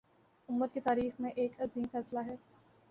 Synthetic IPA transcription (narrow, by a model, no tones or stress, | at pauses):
ʊmːət̪ket̪aːɾiːxmẽʔeːkɐziːmfɛːslaɦɛː